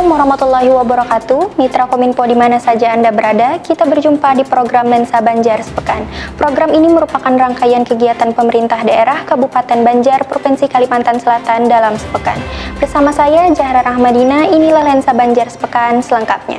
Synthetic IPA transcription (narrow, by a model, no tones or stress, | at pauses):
muɾamat̪ulːaɦiwabəɾakat̪umit̪ɾakominpodimanasad͡ʒaːndabəɾadakit̪abərd͡ʒumpadipɾoɡɾamlɛnsabaɲd͡ʒarsə̥pəkanpɾoɡɾaminiməɾupakanraŋkajankəɡiat̪anpəməɾint̪ahdaʔeɾahkabupat̪ɛnbaɲd͡ʒarpɾofɛnsikalimant̪ansəlat̪andalamsə̥pəka̰nbərsamasajad͡ʒahɾanahmadinainilahlɛnsabaɲd͡ʒarsə̥pəkansələŋkap̚ɲa̰